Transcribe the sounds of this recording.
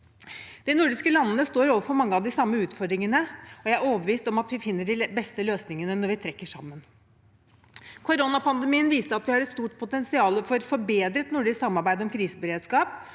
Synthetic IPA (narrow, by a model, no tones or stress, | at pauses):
d̪̥ɛnʊɖɪskəlɑnːənəst̪oːɾoːʋəfɔɾmɑŋːəɑd̪ɪsɑmːəʉːt̪fɔɖ̪ɾɪŋənəɔjæɪæɾoːbəʋiːst̪ɔmɑt̪ʋɪfɪnːəɖɪbɛst̪əløːsnɪŋənənɔɾʋɪt̪ʰɾɛkːəʂɑ̰mːən | kʰʊɾonɑpɑnd̪əmiːənʋiːst̪əɑt̪ʋɪhɑɾɛt̪st̪uːʈ̚pʰʊt̪ɛnsɪɑːləfɔɾfɔɾbeːd̪ɾət̪nʊɖɪsksɑmːɑɾbæɪd̪əɔmkʰɾiːsəbəɾeːd̪skɑːp